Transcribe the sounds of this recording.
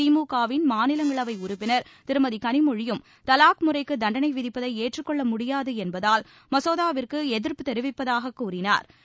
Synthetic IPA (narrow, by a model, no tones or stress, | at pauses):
iːmuːkaːʋɪnmaːnɪlɐŋɡɐɭɐʋɐɪʊɾʊpːɪnɐɾt̪ɪɾɯmɐðikɐnɪmʊɻɪjɯm | t̪ɐlaːkmʊrɐɪkːɯd̪ɐɳɖɐnɐɪʋɪðɪpːɐðɐɪeːʈrɯkːɔɭːɐmʊɽɪjaːðɯɛnbɐðaːl | mɐsoːðaːʋɪrkɯɛðɪɾpɯt̪ɛɾɪʋɪpːɐðaːɣɐkːuːrɪna̰ːɾ